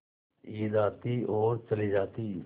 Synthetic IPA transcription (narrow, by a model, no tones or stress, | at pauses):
iːd̪aːt̪iːʔɔːɾt͡ʃəliːd͡ʒaːt̪iː